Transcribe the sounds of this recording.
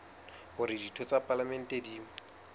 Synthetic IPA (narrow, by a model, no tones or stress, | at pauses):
ɦʊɾɪditʰɔt͡sʼapʼalamɛn̩tʼedi